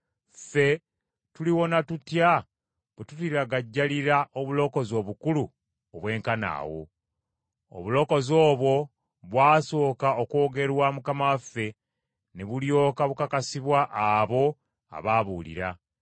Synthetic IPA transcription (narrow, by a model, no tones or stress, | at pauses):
fe̞ | tuliwo̞natutja | βetutiɾaɡaɟːaliɾaʔoβulo̞ːko̞zo̞βukulu | oβwe̞ːŋkana̰ːwo̞̰ | o̰βulo̞ːko̞zo̞ːβwo̞ | βwaːso̞ːkaokwo̞ːɡe̞ɾwamukamawafːe̞ | neβuljo̞ːkaβukakasiβwaʔːβo̞ | a̰βaːβuːlḭɾa̰